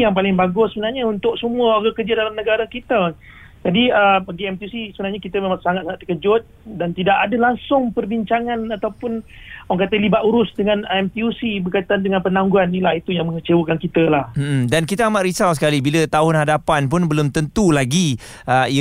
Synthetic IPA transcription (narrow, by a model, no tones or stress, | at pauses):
jaŋpalɪŋbaɡʊssəbənarɲaunt̪ʊk̚səmũəaɡəkərd͡ʒadalamnəɡaɾakit̪ə | d͡ʒadiəbaɡiɛmt̪iusisəbənarɲakit̪əmemãʔsaŋat̪̚saŋaʔt̪ːə̥kəd͡ʒʊt̪̚dant̪idaʔadalaŋsʊŋpərbiɲt͡ʃaŋanat̪awpʊnaŋkat̪əlibaʔ̪uɾʊsdəŋanɛmt̪iusibərkajt̪andəŋãnpənaŋɡuanːilahit̪ujaŋmə̃ŋət͡ʃəwəkankit̪əlahm̩m̩dankit̪əamaʔɾisawsə̥kalibilət̪aɦʊnhadapanpʊnbəlʊmt̪ənt̪ulaɡi | əi